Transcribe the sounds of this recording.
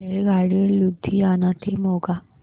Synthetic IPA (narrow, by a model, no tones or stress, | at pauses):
eɭɡʱaɽiːlud̪ʱːianãt̪ʰemoɡa